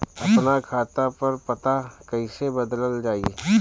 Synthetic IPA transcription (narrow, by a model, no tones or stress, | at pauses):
ɐ̰pnakʰaːt̪apɐɾpɐt̪akɐisebɐd̪ləld͡ʒaːie